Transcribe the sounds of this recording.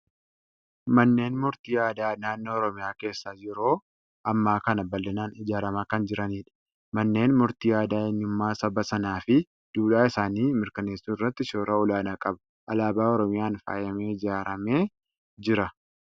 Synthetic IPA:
mɐnːe̞ːnmʊɾt̪iːjaːd̪aːnaːnːo̞ːɾɔmɪjaːke̞ːsːaːd͡ʒɪɾoː | ʔɐmːaːkɐnɐbɐlːɐnaːnɪd͡ʒaːɾɐmaːkɐnd͡ʒɪɾɐniːᶑɐ̥ | mɐnːe̞ːnmʊɾt̪iːjaːd̪aːɪnːʊmːaːsɐbɐsɐnaːfɪ | d̪̥uːᶑaːɪsaːniːmɪɾkɐneːsːuːɪrːɐt̪ːɪʃoːɾʔɐʊlaːnɐkʼɐbɐ̥ | ʔɐlaːbaːɔɾɔmɪjaːnfa̰ːjɐmeːɪd͡ʒaːɾɐme̞ː | d͡ʒɪɾɐ

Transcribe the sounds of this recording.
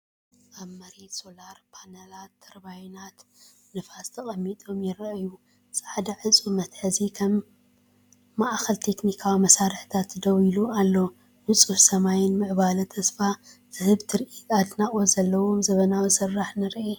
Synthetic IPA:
ʔaβmɐɾet̪so̞laɾpʰanɐlat̪ːɐɾbajnat̪ | nɨfast̪ʰɐχʼɐmːit̪ʼo̞mjɪɾɐʔju | sʼaʕd̪ɐʕɨt͡sʼumɐt̪ħɨzikʰɐm | aʔxɐlt̪ʰe̞knikʰawimɐsaɾɨħt̪ʰat̪d̪ɐwilualːo | mɨt͡sʼuħsɐmajɪnmɨʕbalɨt̪ʰɐsfazɨhɨβt̪ʰɨɾʔiad̪naχʼozɐlːɐwomzɐβɐnawisɨrːaħnɨɾʔe

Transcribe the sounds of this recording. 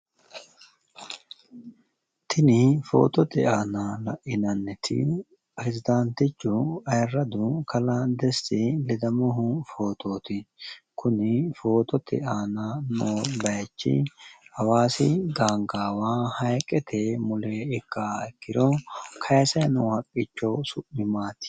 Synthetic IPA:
t̪ʰɪnɪfo̞̰ːt̪ɔt̪ɛaːnalɐʔɪnɐnːɛt̪ʰɪ̰ | pʼɾɛzɪd̪ɐnt̪ɪt͡ʃːʊɐjrːɐd̪ʊkʰɐlɐd̪ɛstɪlɛd̪ɐmɔɦʊfo̞ːt̪oːt̪ɪkʰʊnɪfo̞ːt̪ɔt̪ɛ̰aːnɐnoːbɐjt͡ʃːɪ̰hɐwaːsɪd̪aːŋɡaːwaːhɐjkʼːɛt̪ʰɛmʊlɛɪkːaɛkːɪɾɔkʰɐjsɐjnʊhɐkʼːɪt͡ʃːɔsʊʔɪmaːt̪ɪ̥

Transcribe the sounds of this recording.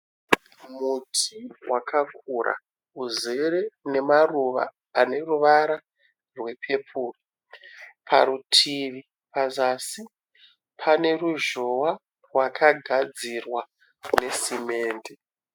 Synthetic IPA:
mutʰiwakakʰurʔa̰ | uze̞re̞ne̞maruʋa̰ː | ne̞ruʋaɾa | rwe̞pʰe̞pʰuːri | pʰaɾutʰiʋi | pazasi | pʰane̞ruʒo̞wa | rwakʰaɡʱad͡zirwa | ne̞sime̞ːnde

